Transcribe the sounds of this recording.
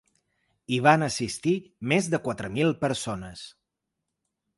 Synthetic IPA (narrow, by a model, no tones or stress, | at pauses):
iβanəsist̪imezðəkwat̪ɾəmilˠpəɾsonəs